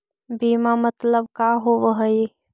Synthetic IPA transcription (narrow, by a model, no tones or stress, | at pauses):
bimamət̪ləb̚kaɦobəɦəj